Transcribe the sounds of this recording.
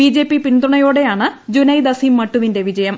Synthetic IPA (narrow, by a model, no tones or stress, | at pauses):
id͡ʑe̞ːpːipind̪ruɳɐjo̞ːɽe̞jaːɳɨd͡ʑunɐjd̪ɐsimːɐʈːuʋinde̞ʋid͡ʑɐjɐm